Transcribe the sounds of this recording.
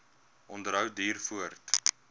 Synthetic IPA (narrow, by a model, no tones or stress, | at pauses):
ʔɔndəɾɦəwdiːrfuərt